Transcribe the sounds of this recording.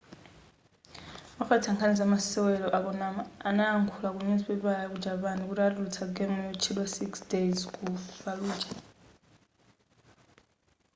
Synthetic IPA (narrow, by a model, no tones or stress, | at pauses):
mafatʰaŋkʰanizamasɛwɛlɔʔakɔnamanaːŋkʰulakuɲizipɛβajak̬ud͡ʒaβanik̬utialutʰaɡɛmɔjut͡ʃʰilwasiksdejzkufaluːd͡ʒa